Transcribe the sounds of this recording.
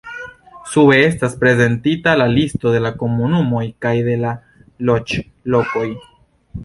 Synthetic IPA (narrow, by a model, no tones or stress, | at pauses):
suβe̞e̞staspɾe̞ze̞ntitalalisto̞de̞lako̞munumo̞jkajd̪e̞la | lo̞t͡ʃ | lo̞ko̞j